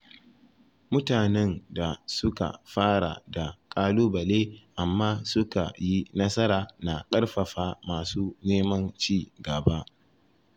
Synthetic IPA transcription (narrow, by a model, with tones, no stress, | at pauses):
mʊ˦taː˨nɛ˦nda˨sʊ˦ka̰˨ɸaː˦ɽa̰˨da˨kʼaː˦loː˦bɐ˨leː˦ʔa˨mːaː˦sʊ˦ka̰˨ji˦nɐ˦sɐ˦ɾaː˨na˨kʼɐ˦ɽɸɐ˨ɸaː˦maː˨suː˦neː˦mɐ˦nt͡ʃiː˦ɡɐ˨ba˦ʔ